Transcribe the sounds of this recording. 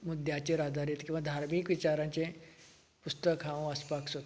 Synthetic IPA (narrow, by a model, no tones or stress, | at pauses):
mud̪ʱjat͡ɕeɾad̪aɾit̪kĩw̃ʋad̪ʱaɾmikʋit͡ɕaɾãɲt͡ɕẽ | pust̪əkɦãʋəspaksot̪